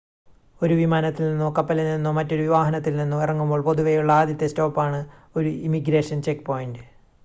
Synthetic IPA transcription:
o̞ɾuʋimaːnɐt̪ːilninːokɐpːɐlelninːomɐtːo̞ɾuʋiʋaːɦɐnɐt̪̬ːilninːumirɐŋːumbo̞ːɭpo̞ðuʋɐjuɭːɐaːd̪jɐt̪ːesto̞ːpːaːɳɨo̞ɾuimiɡɾe̞ːʂɐnt͡ɕekːpo̞ːjindɨ

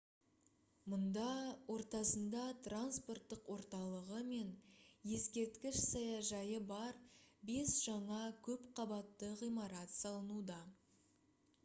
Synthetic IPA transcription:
mʊnd̪ɑwʔo̞ɾt̪ɑsənd̪ɑt̪ranspo̞rt̪ːəqwo̞ɾt̪ɑlˠəʁəme̞nje̞skʲe̞ɾt̪kʲɪʃsɑjɑʒɑjəbɑɾbe̞sʒ̥ɑɴɑkʲʰɵpqʰɑbɑt̪ːəʁijmɑɾɑt̪sɑlˠənud̪ɑ

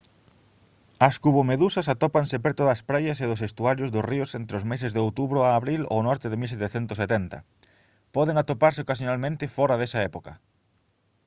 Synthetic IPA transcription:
ɐskuβomeðusɐs̬at̪ɔpaŋsepɛɾt̪ʊðɐspɾajɐseðʊsest̪uaɾjʊzðʊsriʊsent̪ɾeɪʊzmesɪzðeowt̪uβɾʊaːβɾilo̰nɔɾt̪ɪðɪmilset̪eθɛnt̪ʊset̪ɛnt̪ɐ̰ | pɔðeŋat̪opaɾseokasjonalmẽnt̪ɪfɔɾɐðɛsɐaɛpokɐ

